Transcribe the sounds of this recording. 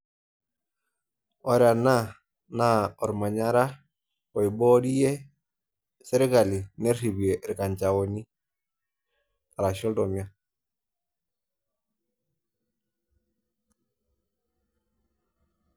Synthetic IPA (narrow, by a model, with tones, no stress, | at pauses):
ɔ˨ɾa˨na˦ | na˦ɔ˨ɾma˨ɲa˦ɾa˦ | ko˨i˨bɔ˦di˦je˦ | se˦ɾe˦ɡa˨li˨ne˦ɾhi˨bi˨e˨ɾi˨ka˨ɲt͡ʃa˨wo˨ni˦ | a˨ɾa˨ʃɔ˦ldɔ˨mia˦